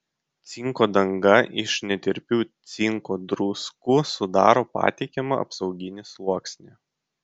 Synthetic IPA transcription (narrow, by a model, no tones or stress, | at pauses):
t̪sʲɪŋkoːd̪ɐŋɡɐʔɪʃnʲɛt̪ʲɪɾʲpʲuːt̪sʲɪŋkoːd̪ɾuːskʊsʊd̪ɑːɾoːpɑ̰ːt̪ʲɪkʲɛmɐʔɐ̰psɒʊɡʲɪnʲɪslˠuɔksʲnʲe